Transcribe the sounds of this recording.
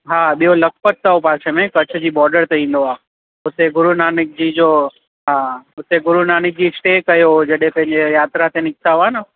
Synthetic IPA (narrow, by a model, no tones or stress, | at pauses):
ɦaɓijoləkʰpət̪̚ːaopaːsʰemẽkət͡ʃʰd͡ʑibɔːɾɖəɾt̪ʰeĩn̆d̪oa | ʊt̪eɡʊɾunanɪk̚d͡ʑid͡ʒo | ɦaʊt̪eɡʊɾunaːnɪk̚d͡ʑisʈekəjod͡ʒɐɗẽpɐ̃ɦɪ̃ɲd͡ʒejaːt̪ɾat̪ʰenɪksaʋanə